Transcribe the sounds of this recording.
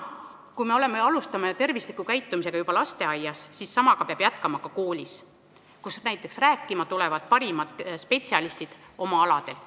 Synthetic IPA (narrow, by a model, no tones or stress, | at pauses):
kujme̞o̞le̞meɑlust̪ɑmet̪e̞rvislikːˑukæjt̪ːˑumise̞ɡɑjubɑlɑst̪e̞ɑjːɑsːisːɑmɑɡ̥ɑpeɑb̥jæt̪kɑmɑkɑko̞ːlʲis | kusnæjt̪ːˑe̞ksræːkˑːimɑt̪ule̞vɑd̪̥̚pɑɾimɑt̪spe̞t̪siɑlist̪id̪̥ | ʔo̞mɑɑlɑd̪̥e̞l